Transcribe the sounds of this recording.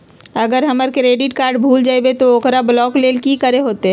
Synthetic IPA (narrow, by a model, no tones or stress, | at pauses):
əɡəɾɦəməɾkɪɾeːɖɪʈkaːɾɖbʱuːld͡ʒaːibet̪ooːkɾablɔːkleːlkikəɾeɦoːt̪eɛ